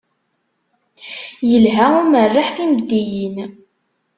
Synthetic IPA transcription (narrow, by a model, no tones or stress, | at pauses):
jəlɦæʊmərːaħθimbd̪ijin